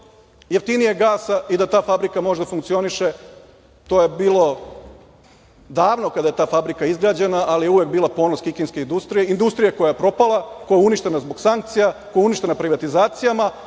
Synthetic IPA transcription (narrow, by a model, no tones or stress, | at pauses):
jeft̪inijeɡaːsaʔid̪at̪aːfabɾikamo̞ʒed̪afuŋkt̪sio̞niʃe | t̪o̞je̞biːlˠo̞ | d̪aːʋno̞kad̪aje̞t̪aːfabɾikaizɡɾaːd͡ʑenaʔːlije̞uʋek̚biːlˠapo̞ːnoskikinske̞ind̪ust̪ɾijeind̪ust̪ɾijako̞jajepɾo̞palˠakojauniʃt̪e̞nazbo̞ɡsaŋk̚t̪sijakojeuniʃt̪e̞napɾiʋat̪izaːt̪sijama